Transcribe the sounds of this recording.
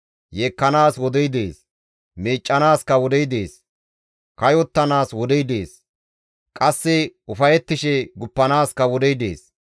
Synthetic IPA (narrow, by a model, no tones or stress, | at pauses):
jeːkːɐnaːswɔd̪ɛjd̪ḛːs | meːt͡ʃʼːɐnaːskɐwɔd̪ɛjd̪eːs | kɐjɔt̪ːɐnaːswɔd̪ɛjd̪eːs | kʼɐsːɪʊfɐjɛt̪ːɪʃɛɡʊpːɐnaːskɐwɔd̪ɛjd̪e̞̰ːs